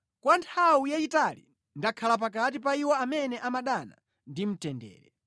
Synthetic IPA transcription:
kwantʰawujaitalḭ | ndakʰalap̬akat̬ipaiwɔamɛnɛʔamaɗana̰ | ndim̩tɛndɛ̰ːɾɛ̰

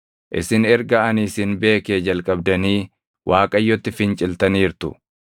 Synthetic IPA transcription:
ʔɪ̰sɪnɛɾɡɐɐnisɪnbe̞ːkeːd͡ʒɐlkʼɐbd̪ɐniː | wʔaːkʼɐjːɔt̪ːɪfɪnt͡ʃʼɪlt̪ɐniːɾt̪ʊ̰

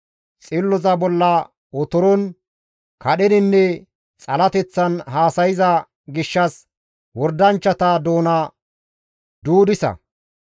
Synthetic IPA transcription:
t͡sʼɪlːɔzɐbɔlːɐ | ɔt̪ɔɾɔn | kɐɗɛd̪ɪnːɛ | t͡sʼɐlɐt̪ɛt͡sːɐnɦaːsɐjɪzɐ | ɡɪʃːɐs | wɔɾd̪ɐnt͡ʃːɐt̪ɐd̪oːnɐ | d̪uːd̪ɪsɐ̰

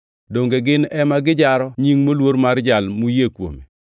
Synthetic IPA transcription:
doŋɡeɡɪnɛmaɡɪd͡ʒaɾɔɲiŋmolwoɾmaɾd͡ʒalmujekwo̰me

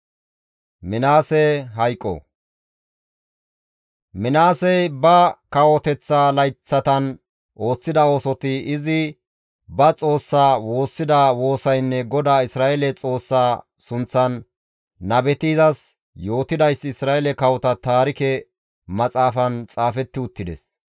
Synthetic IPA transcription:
mɪnaːsɛɦɐjkʼːɔ̰ | mɪnaːsɛjbɐkɐwɔt̪ɛt͡sːaːlɐjt͡sːɐt̪ɐn | ʔo̞ːsːɪd̪ɐo̞ːsɔt̪ɪɪzɪ | bɐt͡sʼo̞ːsːaːwo̞ːsːɪd̪ɐwo̞ːsɐjnːɛɡɔd̪aːɪsɾaːɛlɛt͡sʼo̞ːsːaː | sʊnt͡sːɐnː | ɐbɛt̪iːzɐs | jo̞ːt̪ɪd̪ɐjsːɪsɾaːʔɛlɛkɐwɔt̪ɐt̪aːɾɪkɛ | mɐt͡sʼaːfɐnt͡sʼaːfɛt̪ːɪʊt̪ːɪd̪ɛ̰s

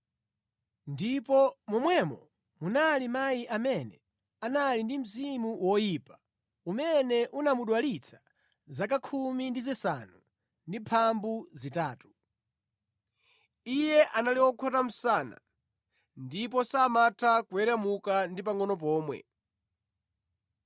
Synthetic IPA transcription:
ndipɔmumwɛmɔ | munalimajiʔamɛnɛ | analindim̩zimuwɔjiːpḁ | umɛnɛʔunamuɗwalit͡sʰḁ | zak̬akʰumindizisa̰nu | ndipʰambuzitaːtu̥ | ijɛʔanaliwɔkʰɔtam̩saːna̰ | ndip̬ɔsamatʰakuɛɾɛmukandip̬aŋɔnɔp̬ɔːmwɛ̰

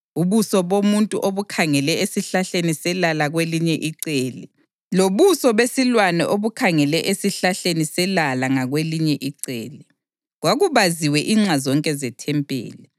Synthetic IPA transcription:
uβusɔβomuntʼuʔoβukʰaŋɛlɛesiɬaɬenisɛlalaɣweliɲɛʔiǀeːli | loβusɔβesilwanɛʔoβukʰaŋɛlɛʔesiɬaɬenisɛlalaŋaɣweliɲɛʔiǀḛːli | ɣwaɣuβaziwɛʔiːŋ͡ǁazɔŋkʼɛzɛtʰɛmpʼḛːlɛ

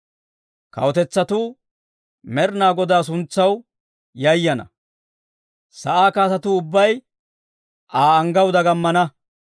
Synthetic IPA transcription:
kɐ̰wɔt̪ɛt͡sːɐt̪uː | mɛɾnaːɡɔd̪aːs̬ʊnt͡sːɐw | jɐjːɐnɐ̰ | sɐʔaːkaːsɐt̪uʊbːɐj | ʔaːɐŋɡɐwd̪ɐɡɐmːɐnɐ

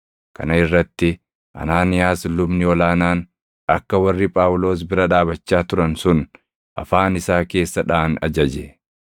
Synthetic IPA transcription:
kɐ̰nɐɪrːɐt̪ːɪ | ʔɐ̰naːnɪjaːslʊbnɪɔlaːnaːn | ɐkːɐwɐrːɪpʼaːwʊlo̞ːs̬bɪɾɐᶑaːbɐt͡ʃːaːt̪ʊɾɐnsʊn | ʔɐ̰faːnɪsaːke̞ːsːɐᶑaːnɐ̰d͡ʒɐd͡ʒe

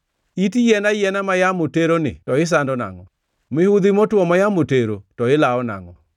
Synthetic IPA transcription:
itijɛnajɛnamajamoteɾonɪ̰tɔɪs̬andɔna̰ŋɔ | mɪhud̪imɔtwɔmajamoteɾotɔɪlaɔna̰ŋɔ̰

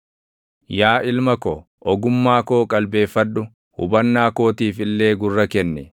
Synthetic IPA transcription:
jaːʔɪlmɐko | ʔɔɡʊmːaːkoːkʼɐlbe̞ːfːɐᶑːʊ | hʊ̰bɐnːaːko̞ːt̪iːfɪlːe̞ːɡʊrːɐkɛnːɛ

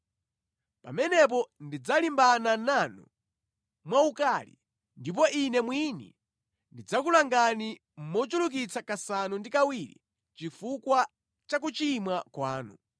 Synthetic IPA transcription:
pa̰mɛnɛp̬ɔndid͡zalimbanananu | mwaukalḭ | ndip̬ɔʔinɛmwinḭ | ndid͡zakulaŋɡani | m̩mɔt͡ʃuluk̬it͡sakasanundikawiɾḭ | t͡ʃifukwa | t͡ʃak̬ut͡ʃimwakwaːnu

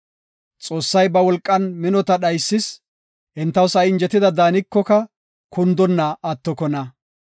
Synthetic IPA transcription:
t͡sʼo̞ːsːɐjbɐwɔlkʼːɐnmɪnɔt̪ɐɗɐjsːɪs | hɪnt̪ːɐwsɐjɪnd͡ʒɛt̪ɪd̪ɐd̪aːnɪkːɔkɐ | kʊnd̪ɔnːɐʔɐt̪ːɔkɔnɐ

